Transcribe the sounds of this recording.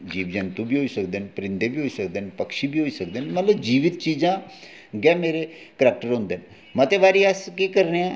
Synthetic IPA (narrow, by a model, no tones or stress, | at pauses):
d͡ʑiːʋd͡ʑant̪ũbʱiːɦoisək̚d̪enpɾind̪ebʱiːɦoisək̚d̪enpəkʂibiːɦoisək̚d̪enməlad͡ʑiʋit̪̚t͡ɕid͡zã | ɡjãmeɾe | kɾak̚ʈəɾɦõnd̪en | mət̪eʋaɾiaskikəɾɳja